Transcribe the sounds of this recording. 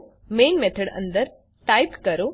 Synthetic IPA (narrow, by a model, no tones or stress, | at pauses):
meːnmet̪ʰəɽɐ̰̃nd̪əɾ | ʈajpkɐɾu